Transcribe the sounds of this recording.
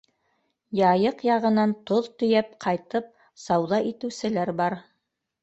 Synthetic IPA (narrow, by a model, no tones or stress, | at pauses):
jɑjɤqjɑʁɤ̆nɑnt̪oðt̪ɵ̆jæp̚qʰɑjt̪ɤp̚ | sɑwðɑʔit̪ɘ̆wsɘ̆læɾbɑɾ